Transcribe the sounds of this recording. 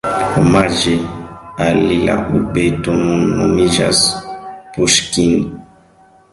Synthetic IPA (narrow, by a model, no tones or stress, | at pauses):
omaʒealila̰ubetumunumiʒa̰spuʃkin